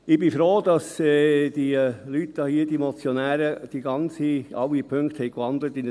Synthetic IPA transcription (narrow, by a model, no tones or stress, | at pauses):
ɪb̥ifɾoːd̥ɑsɛd̥ilyt̪ːɑhiːədimɔt͡sjɔnæːɾəd̥iɡɑnt͡siɑ̰wipʰʏŋkthɛɪkʋɑnd̪lət̪ɪn